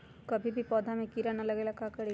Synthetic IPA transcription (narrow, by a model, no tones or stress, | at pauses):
kɐbʱibʱipɔːd̪ʱamẽkiɾanalɐɡelakakɐɽe